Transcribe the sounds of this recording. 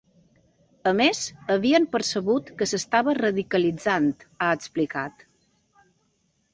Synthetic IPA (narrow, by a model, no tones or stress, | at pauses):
əmezəβiəmpəɾsəβut̪kəsəst̪aβərəðikəlid͡zant̪aəksplikat̪